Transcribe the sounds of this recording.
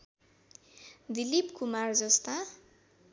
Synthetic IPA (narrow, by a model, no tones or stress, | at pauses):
d̪ilipkumard͡zʌst̪a